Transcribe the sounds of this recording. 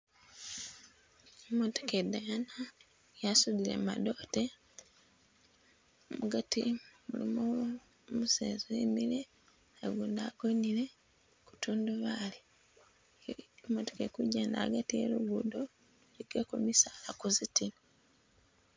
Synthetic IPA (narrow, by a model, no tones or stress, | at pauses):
emoto̥kedajana | jasuðilḛmado̞ːte | omuɡatḭmulimo | musḛːzoemile | aɡuːndaɡ̥oɲile̞ | ku̥tuːnduβali | moto̥kekuɟeːnda̰aɡatiḛluβudo | liɡ̥akumisaːlakuzitin